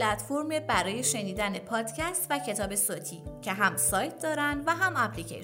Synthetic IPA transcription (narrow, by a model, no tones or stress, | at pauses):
læt̪foɾmebæɾɒːje̞ʃe̞niːd̪ænepʰɒːd̪̥cʰæst̪væcʰe̞t̪ʰɒːbe̞sot̪ʰḭːcʰe̞ɦæmsɒːjt̪̚ʰd̪ɒːɾænd̪væɦæmæpʰlicʰḛʃ